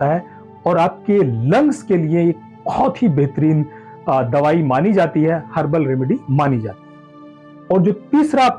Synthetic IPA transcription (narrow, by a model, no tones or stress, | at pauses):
aɦɛ | ɔːɾaːp̚kelɐ̃ŋɡskelieeːk̚ | kʰɔːt̪ibɛɦt̪əɾiːn | d̪ɐʋaːimaːnid͡ʒaːt̪iɦɛhɐɾbəlɾemɪɖimaːnid͡ʒa̰ːt̪iɦɛ | ɔːɾd͡ʒoːt̪iːsɾa